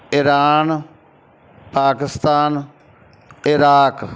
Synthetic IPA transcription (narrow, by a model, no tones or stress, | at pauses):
ɪɾaːn | paːkɪst̪aːn | ɪɾaːk